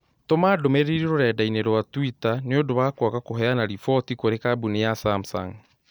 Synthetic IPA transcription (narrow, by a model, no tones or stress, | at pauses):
tomadomɛɾeɾeɾoɾɛːdaineɾwatwitaneodoβaːkwakakoɦɛanaɾifɔtikoɾekabunejasamsa̰ŋ